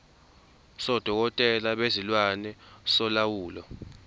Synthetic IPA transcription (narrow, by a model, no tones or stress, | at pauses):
sɔd̥ʱɔk̬ɔtʼɛlaɓezilwanɛsɔlawuːlɔ̰